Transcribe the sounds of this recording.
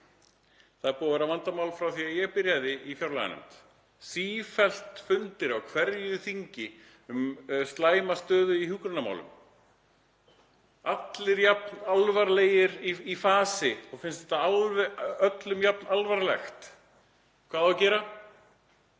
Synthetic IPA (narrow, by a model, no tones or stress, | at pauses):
θaðɾpuːavɛɾavant̪amawlfɾawθiajɛɣpɪɾjaðɪifjawɾla̰ja̰nʏ̰mt̪ | siːfɛl̥t̪fʏnt̪ɪɾaɣkʰvɛɾjʏθiɲcɪ | ʏmst̪laːjmast̪œːðʏihʏːkɾʏnama̰wlʏ̰m | at̪lɪɾjapnalvaɾleːjɪɾiifaːsɪɔɣfɪnst̪ɛht̪aalvœt̪lʏmjap̚nalvaɾlɛxt̪ | kʰv̥aːðawcɛːɾa